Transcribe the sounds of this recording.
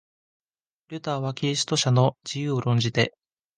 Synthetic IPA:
ɾʲɯ̟t̪aːβakʲiɾʲis̬ɨ̥t̪o̞ɕano̞d͡ʑijɯːoɾõ̞ɲ̟d͡ʑit̪e̞

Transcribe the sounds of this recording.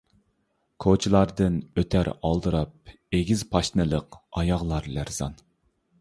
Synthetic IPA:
kʰot͡ʃʰilˠɑɾd̪ɨnøt̪ʰæɾɑlˠd̪ɨɾɑp̚ | eɡʲizpʰɑʃnɨlˠəqɑjɑʁlˠɑɾlæɾz̥ɑ̰n

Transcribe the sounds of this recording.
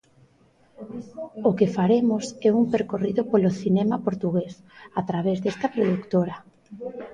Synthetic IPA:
okɪfaɾemʊsɛuŋpeɾkoriðʊpoloθinɛmapoɾt̪uɣes | at̪ɾaβ̞ezðest̪ɐpɾoðukt̪oɾɐ

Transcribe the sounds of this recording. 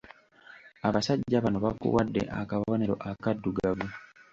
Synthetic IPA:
aβasaɟːaβanoβakṵwadːḛʔa̰kaββoneɾo̰ʔakadːuɡavu

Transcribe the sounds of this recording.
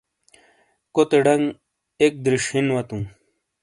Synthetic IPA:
kot̪eɖɐŋɡ | ek̚d̪ɾiʂinwɐt̪ũ

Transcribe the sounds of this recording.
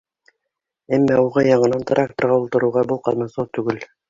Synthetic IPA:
æmːæuʁɑjɑɴɤ̆nɑnt̪rʲʔak̚t̪ŏrʁɑulˠt̪ɤ̆ɾuwʁɑbulˠqɑlˠnmɑsot̪ːʉɡɘl

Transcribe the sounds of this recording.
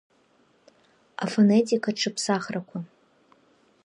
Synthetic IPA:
a̰fonetʰikʰaʈ͡ʂʰɨpʰsaχrakʷʰa

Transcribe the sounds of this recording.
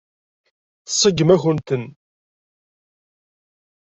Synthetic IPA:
θə̥sˤːəɡːəmæçənt̪ən

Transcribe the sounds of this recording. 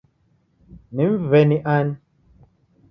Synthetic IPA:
niɱ̩vɛniʔan

